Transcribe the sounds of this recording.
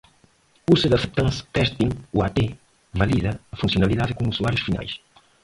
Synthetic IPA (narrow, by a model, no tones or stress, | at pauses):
useðɐsep̚t̪ɐ̃nst̪ɛst̪ĩŋuat̪e | vɐliðɐɐfũnsionaliðaðɪkõŋusuaɾjuʃfina̰js